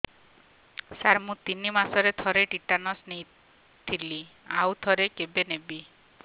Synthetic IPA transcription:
saɾmũt̪inimasɔɾet̪ʰɔɾeʈiʈanɔsnej | t̪ʰilia̰wt̪ʰɔɾekebenebi

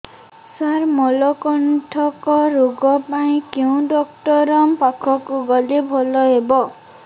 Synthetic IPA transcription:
saɾmɔlɔkɔnʈʰɔkɔɾoɡɔpaĩkew̃ɖɔkʈɔɾɔmpakʰɔkuɡɔlibʱɦolɔɦebɔ

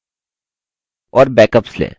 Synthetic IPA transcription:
ɔːɾbɛːkəpslḛː

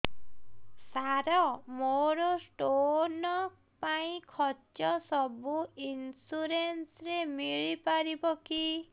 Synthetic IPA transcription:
saɾɔmoɾosʈonɔ | paĩkʰɔt͡ʃjɔsɔbuinsuɾensɾemiɭipaɾibɔki

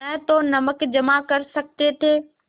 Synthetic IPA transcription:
ɛ̃ɦt̪onɐməkd͡ʑɐmakɐɾsɐk̚t̪et̪ʰeː

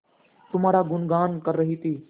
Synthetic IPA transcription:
t̪ʊmaːɽaːɡʊnɡaːnkəɾːəɦiːt̪ʰiː

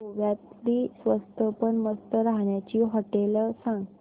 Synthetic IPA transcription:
oʋjat̪liːsʋəst̪ʰəpəɳməst̪əɾaɦɳjat͡ɕiːɦəʈeləsãŋɡ

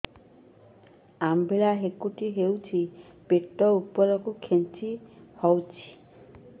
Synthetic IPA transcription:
ambʱelaɦekuʈiɦewt͡ʃʰipeʈːɔupɔɾɔkukʰent͡ʃihɔwt͡ʃʰi̥

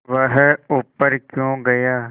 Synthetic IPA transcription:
ʋəɦʊpːəɾkjõːɡɐjaː

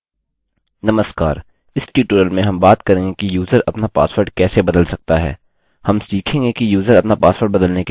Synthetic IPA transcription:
nɐməskaːɾ | ɪsʈiːʈuːɾəlmẽɦɐmbaːt̪kɐɾẽːŋɡekijuːzəɾɐpnapa̰ːsʋəɾɖkɛːsebɐd̪əlsɐk̚t̪aɦɛ̰ː | hɐmsʈiːkʰẽːŋɡekijuːzəɾɐpnapaːswəɾɖ̚bɐd̪əlneke

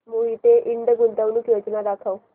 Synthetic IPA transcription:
moɦit̪eʔiɳɖ̪əɡunt̪aʋnuːkjod͡ʑnad̪akʰaw

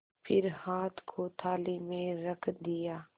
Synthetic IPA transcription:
pʰɪɾhaːt̪ʰkʰoːt̪ʰaːlimẽɾəkʰd̪ɪjaː

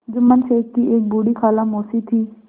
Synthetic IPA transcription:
d͡ʒʊmːənʃeːkːieːk̚buːɽiːkʰaːlamoːsiːt̪ʰiː

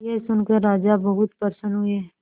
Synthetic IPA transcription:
jesʊnkəɾɾːaːd͡ʒabəɦʊt̪pəɾsənɦʊiɦɛː

